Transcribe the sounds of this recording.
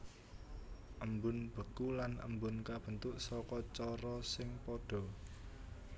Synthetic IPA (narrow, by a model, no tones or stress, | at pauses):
ʔəmbʊnb̥ə̤kulanə̰mbʊnkab̥ə̤nt̪ʊʔsɔkɔt͡ʃɔɾɔsɪŋpɔɖ̥ɔ̤